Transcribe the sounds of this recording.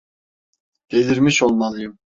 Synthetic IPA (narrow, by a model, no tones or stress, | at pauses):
d̪̥eliɾmiʃolˠmalˠɯjɯm